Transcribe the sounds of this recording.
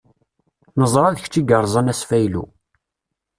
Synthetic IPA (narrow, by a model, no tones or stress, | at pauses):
nəzˤɾˤɑðəçt͡ʃːiɡəɾˤzˤɑnæsfæjlṵ